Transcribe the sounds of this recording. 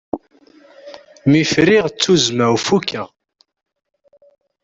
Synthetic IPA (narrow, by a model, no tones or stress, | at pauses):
mifɾiʁt͡sːuzmæwfukːæʁ